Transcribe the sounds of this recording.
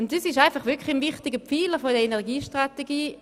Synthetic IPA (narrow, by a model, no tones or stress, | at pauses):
ʊntdəsɪʃaɪnfaχvʏɐkʰχlinvɪχtɪɡəpp͡fiːləfodəenɛʁɡiːʃtʁateɡiː